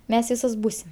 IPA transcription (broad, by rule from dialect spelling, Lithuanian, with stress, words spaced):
ˈmʲɛs ˈʋʲiːsoːs ˈbuːsʲɪm